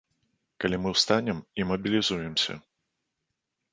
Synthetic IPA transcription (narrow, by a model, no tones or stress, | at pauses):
kɐlʲimɨwst̪anʲɛmimɐbʲilʲizujɛmsʲɐ̰